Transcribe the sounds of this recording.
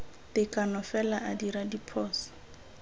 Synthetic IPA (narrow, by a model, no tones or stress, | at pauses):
tɪkʼanɔfɛlaʔadiɾadipʰɔːsḁ